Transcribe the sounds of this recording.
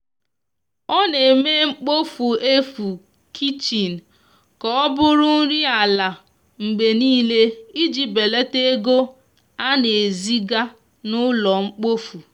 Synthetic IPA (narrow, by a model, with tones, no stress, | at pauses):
ɔ˦ne˨me˦ŋ͡m̩˦k͡po˦fu˨e˦fu˨ | kʰi˦t͡ʃi˨n̩˨ | kɔ˨ɔ˦bʊ˦ɾʊ˦n̩˦ɾi˦a˨la˨ | ŋ͡m̩˨ɡ͡be˨niː˦le˦i˦d͡ʒi˨be˨le˦te˦ɡo˦ | a˦ne˨e˨zi˦ɡa˦ | nʊ˦lɔ˨ŋ͡m̩˦k͡po˦fu˨